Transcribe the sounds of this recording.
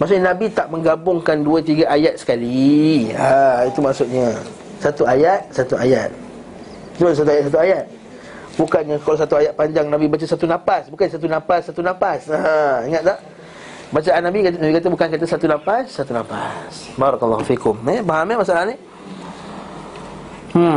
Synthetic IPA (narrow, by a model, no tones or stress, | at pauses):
maʔs̬ʊʔɲanabit̪aʔmə̃ŋɡabʊŋkanduət̪̬iɡaʔajat̪̚sə̥kali | ait̪umaʔsʊt̪̚ɲa | sat̪uajat̪̚sat̪uajat̪̚ | it̪uas̬at̪̬uajat̪̚sat̪̬uajat̪̚ | bukanɲãkalasat̪uajat̪̚paɲd͡ʒaŋnabibat͡ʃasat̪unãpasbukansat̪̬unãpasːat̪unãpasaiŋat̪̚t̪aʔ | bat͡ʃaʔanːabinabikat̪̬əbukankat̪əsat̪unãpasːat̪unãpa̰s | baɾɔklːɔɦufikʊmɛbaɦamɛmasaʔalaani